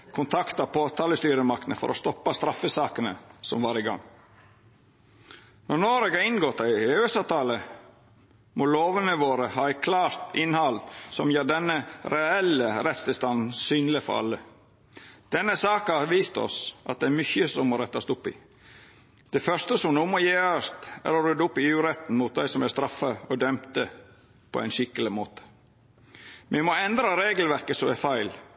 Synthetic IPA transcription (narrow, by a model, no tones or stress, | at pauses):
kʰʊnt̪ʰɑkt̪ɑpʰoːt̪ʰɑːləst̪yːɾəmɑk̚t̪nəfɔ̰ɾʔɔ̰st̪ɔpːɑst̪ɾɑfəsɑːkənə̰sɔmʋɑːɾɪɡɑ̰ŋː | nɔɾnoːɾeːɡɑɪnɡɔt̪ːɑɪøːsɑʋt̪ʰɑːlə | mɔloːʋənəʋoːɾəhɑːækʰlɑːɾt̪ɪnhɑlsɔmjøːɖɛnːəɾɛɛləɾɛt̪st̪ɪlst̪ɑnn̩syːnlɪfɔ̰ʔɑ̰lːə | d̪̥ɛnːəsɑːkɑɑʋiːst̪ɔ̰sʔɑ̰t̪̚d̪ɛæɾmʏçəsɔmːɔɾɛt̪ːɑst̪ʊpːɪ̰ | d̪̥ɛfœʂt̪əsɔmnuːmɔjeːɑst̪æ̰ːɾɔɾʉd̪ːʊpːɪʉːɾɛt̪n̩mut̪̚d̪æɪsɔmæst̪ɾɑfəɔd̪œmt̪ə | pʰɔæ̰ɪnʃɪkːəlɪmoːt̪ə̥ | mɛmɔɛnd̪ɾɑɾeːɡəl̩ʋæɾkəsɔmɛfæɪl